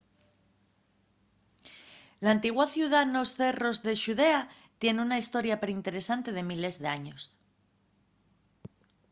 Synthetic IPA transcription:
laːnt̪iɣwaθjuð̞ano̞sθe̞ro̞zðe̞ʃuðe̞a | t̪je̞neunaist̪o̞ɾjapeɾint̪e̞ɾe̞sant̪e̞ð̞e̞mile̞zðe̞aɲo̞s

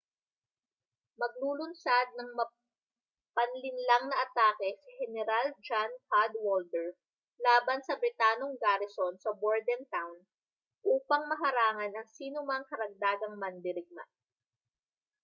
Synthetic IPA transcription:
mɐɡ̚luːlʊnsad̪̚nɐŋmɐ | pɐnlɪnlaŋnɐʔɐt̪aːkɛsɪhɛnɛɾald͡ʒankad̪wold̪ɛɹ | laːbɐnsɐbɾɪt̪aːnoŋɡaɾɪsonsɐboɹd̪ɛnt̪awn | ʔuːpɐŋmɐɦɐɾaːŋɐnɐŋsiːnomɐŋkɐɾɐɡ̚d̪aːɡɐŋmɐnd̪ɪɾɪɡ̚ma̰

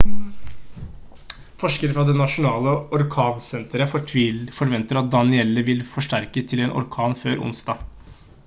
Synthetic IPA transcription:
fɔʂkəɾəfɾɑd̪ɛnɑʂʊnɑːləɔɾkʰɑːnsɛnt̪əɾəfɔɾʋɛnt̪əɾɑt̪̚d̪ɑnɪɛlːəʋɪlfɔʂʈæɾkət̪ʰɪlɛːnʔɔ̰ɾkʰɑːnføːɾʊ̰nsd̪ɑː

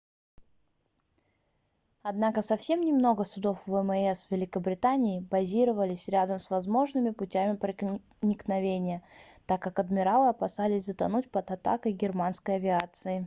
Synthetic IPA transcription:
ɐd̪nakəsɐfsʲe̞mnʲɪmno̞ɡəsʊd̪o̞fvɛmɛsvʲɪlʲɪkəbɾʲɪt̪anʲɪːbɐzʲiɾəvəlʲɪsʲɾʲad̪əmsvɐzmo̞ʐnɨmʲɪpʊtʲæmʲɪpɾə | nʲɪknɐvʲenʲɪjət̪akːakɐd̪mʲɪɾalˠɨɐpɐsalʲɪsʲzət̪ɐnutʲpəd̪ɐt̪a̰kəjɡʲɪrmanskəjɐvʲɪat̪sɨɪ

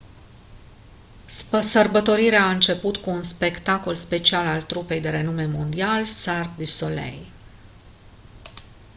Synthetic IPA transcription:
əsərbət̪o̞ɾiɾeaɨnt͡ʃe̞put̪kuːnspe̞kt̪ako̞lspe̞t͡ʃialalt̪ɾupe̞jd̪e̞ɾe̞nume̞mo̞nd̪ialsarkd̪ysolḛj

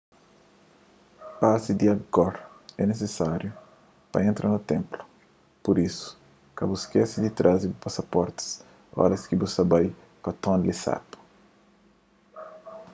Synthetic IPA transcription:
pazid̪iɐɡɔɾɛnesesaɾju | pɐẽnt̪ɾʔɐnut̪ẽmplu̥ | puɾisu̥ | kɐbuskɛsid̪it̪ɾʔazibupasɐpɔɾt̪i̥s | ɔ̰ɾɐskibusɐbaj | kɐt̪ɔ̃nlisa̰pɐ̥

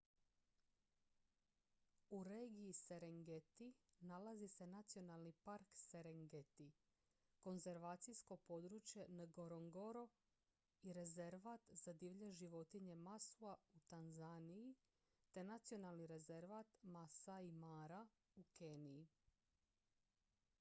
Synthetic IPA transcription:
uɾeːɡijiseɾeŋɡet̪inalazise̞nat̪sio̞nalˠnipaɾkseɾeŋɡet̪i | ko̞nze̞ɾʋaːt̪sijsko̞po̞d̪ɾut͡ʃje̞naɡoɾoŋɡo̞ɾo̞ | iɾe̞ze̞ɾʋat̪z̥ad̪iʋʎeʒiʋo̞t̪iɲe̞masuaut̪anzaniji | t̪e̞nat̪sio̞nalˠniɾe̞ze̞ɾʋaːt̪masaimaːɾa | uke̞nii

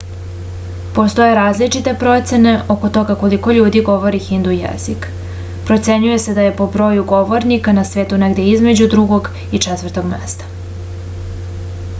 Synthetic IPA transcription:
po̞st̪o̞je̞ɾaːzlit͡ʂit̪e̞pɾo̞t̪se̞ne̞ʔoko̞t̪o̞ɡako̞liko̞ʎuːd̪iɡo̞ʋo̞ɾixind̪ujḛzik | pɾot̪se̞ɲuje̞se̞d̪aje̞po̞bɾo̞ːjuɡo̞ʋo̞ɾnikanasʋeːt̪uneɡd̪e̞izme̞d͡ʑud̪ɾuɡo̞ɡ | it͡ʂɛt̪ʋərɾt̪o̞ɡmḛst̪ḁ

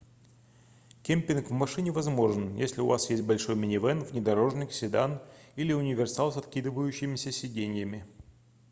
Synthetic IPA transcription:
kʲemʲpʲɪnkvmɐʂɨnʲɪvɐzmo̞ʐɨnjesʲlʲɪʊ̰va̰sjesʲt̚ʲbɐlʲʂo̞jmʲɪnʲɪvɛnvnʲɪd̪ɐɾo̞ʐnʲɪksʲɪd̪anilʲɪʊnʲɪvʲɪrsalˠsɐt̪kʲid̪ɨvəjʉɕːɪmʲɪsʲəsʲɪdʲenʲɪjəmʲɪ

